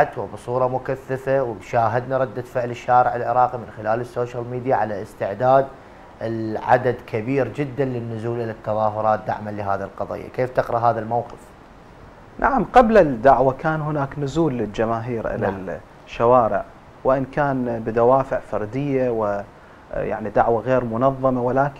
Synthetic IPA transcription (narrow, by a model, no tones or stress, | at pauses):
at̪wɪbɨsˤuːɾˤɑmʊkaθːafawʃaːɦad̪naɾˤɑd̪ːafɪʕlɪʃːaːɾɪʕɪlʕɪɾˤɑːqimɪnxɪlaːlɪsːoːʃalmiːd̪jaʕalaʔɪst̪ɪʕd̪aːd̪ | ɪlʕa̰d̪ad̪kʰabiːɾd͡ʒɪd̪ːanlɪnːʊzuːlʔɪlat̪ːɑðˤɑːɦʊɾˤɑːt̪̚d̪a̰ʕmanlɪɦaːðilqɑðˤḭːjːa̰keːft̪ɪqɾˤɑɦaːðalmawqɪf | nʔaʕamqablad̪aʕwakaːnɦʊnaːknʊzuːlːɪld͡ʒamaːɦiːɾʔɪ̰la̰l | ʃːawaːɾɪ̰ʕ | wɪʔɪnkaːnbɪd̪awaːfɪʕfɑɾˤd̪ɪjːawɪ | ja̰ʕnid̪aʕwaɣeːɾmʊnɑðˤːɑmawɪlaːk